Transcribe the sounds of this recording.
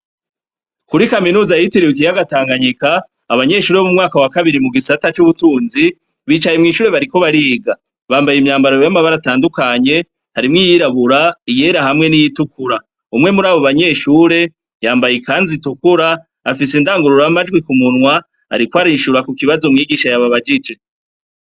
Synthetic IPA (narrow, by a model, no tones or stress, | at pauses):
kuɾikaminuːzajitiɾiwik̬ijaɡataːŋɡaɲikaː | βaɲe̞ʃuːɾemumŋaːkawakaβiɾimuɡisatat͡ʃuβutuːnzi | βiːt͡ʃajemŋiːʃuːɾe̞βaɾiko̞βaɾiːɡa | βaːmbajimɲaːmbaɾojjamaβaɾataːndukaɲe̞ | haɾimŋiːjiɾaβuɾaije̞ɾahamŋe̞nijitukuɾa | umŋe̞muɾaːβoβaɲe̞ʃuːɾe̞ | jaːmbajekaːnzitukuɾaː | fisendaːŋɡuɾuɾmad͡ʒɡwikumunwa | a̰ɾikwaɾiʃuɾakukiβazomŋiːɡiːʃajaβaβad͡ʒid͡ʒe̞